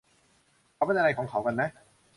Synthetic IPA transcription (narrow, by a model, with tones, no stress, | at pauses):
ɔ˨˧p̪̚ːa˧lɐ˨˧kʰɔː˨˥ŋkʰwkɐ˧nɛ˦˥